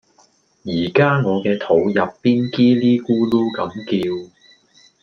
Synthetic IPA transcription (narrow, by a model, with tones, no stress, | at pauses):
jiː˨˩kaː˥ŋɔː˨˧kɛː˧t̪ʰo˨˥wjɐ˨pːiː˥nkiː˥liː˥kuː˥luː˥kɐ˨˥mkiː˧w